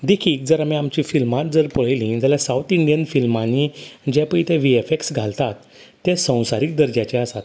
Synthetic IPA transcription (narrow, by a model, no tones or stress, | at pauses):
d̪ekʰiːk̚d͡zəɾamiamt͡ɕĩfilmat̪̚d͡zəɾpəɭ̤ajlĩd͡zaljasawt̪iɳɖijənfilmanid͡ʑɛ̃pəit̪ɛ̃ʋiefeksɡʱalt̪at̪ː | ɛ̃sə̃w̃saɾik̚d̪əɾd͡ʑjat͡ɕɛ̃əsat̪